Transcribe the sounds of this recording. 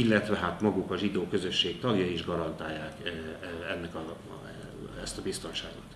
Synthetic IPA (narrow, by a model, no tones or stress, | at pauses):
ilːɛt̪ʋɛɦat̪mɒɡukɒʒid̪oːkø̞zø̞ʃːeːkt̪ɒɡjɒiʒɡɒɾɒnt̪aːjːaːk | ɛnːɛkɒ | ɛst̪ɒbist̪o̞nʃaːɡot̪